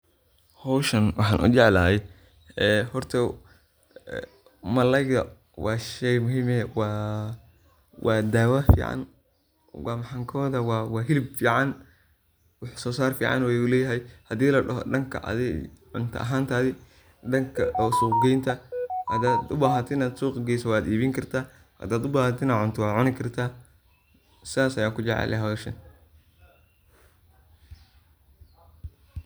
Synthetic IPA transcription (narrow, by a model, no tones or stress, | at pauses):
hɔwʃɐnwɑħɑ̰ːnʔʊ̰t͡ʃɛʕlaːjɛ | ɛːhɔrt̪ʰɐ | mɐlɐjɣɐ̰ | wɑːʃɛjmʊɦiːmɛwɑː | wʔɑːd̪aːwafḭːʕɑ̰n | wɑːmɐħaŋkʰɔːðɐwɑːwɑːɦɪlɪbfiːʕɑn | wɑħsɔːsaːrfḭːʕɑ̰nwɛjʊlɛːjɐɦɛjhɐd̪iːlɐɖɐɦɔ̰ɖɐŋkʰɐ̰ʔɐ̰ðɛ̰ʕʊnt̪ʰɐ̰ʔɐ̰ɦaːnt̪ʰaːðɪ | ɖɐŋkʰɐsuːqɡɛjnt̪ʰɐhɐ̰d̪aːd̪ʊbaːɦɐt̪ʰɪɪnaːd̪suːqɡɛjsɐwɑːd̪iːβɪŋkʰɐrt̪ʰaː | hɐ̰d̪aːd̪ʊbaːhɐt̪ʰɪnɐʕʊnt̪ʰʊwɑːʕʊnɪkʰɐrt̪ʰaː | sɪðaːsɐjaːkʰʊd͡ʒɛʕɛ̰lɛɦɐwɛʃɐn